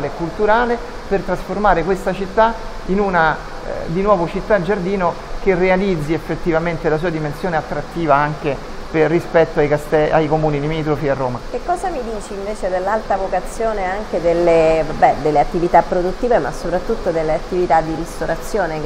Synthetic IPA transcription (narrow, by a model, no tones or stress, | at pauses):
lekːult̪uɾaːle | pert̪ɾasformaːɾekwest̪at͡ʃit̪ːa | inuna̰ | d̪inwɔːvot͡ʃit̪ːad͡ʒard̪iːno | kerːealid̪zːiefːet̪ːivament̪elas̬uːad̪imensjoːneat̪ːɾat̪ːiːvaaŋke | perːispɛt̪ːoajkast̪ɛa̰jkomuːnilimiːt̪̬ɾofiarːoːmakekːɔːzamid̪iːt͡ʃeiɱveːt͡ʃed̪elːalt̪avokat̪sjoːneaŋked̪elːevabɛd̪elːeat̪ːivit̪apːɾod̪ut̪ːiːvemasːopɾat̪ːut̪ːod̪elːeat̪ːivit̪ad̪ːiɾist̪oɾat̪sjoːne